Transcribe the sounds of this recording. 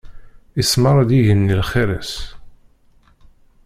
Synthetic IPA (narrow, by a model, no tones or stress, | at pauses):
isməɾˤad̪iʝənːilχeɾæs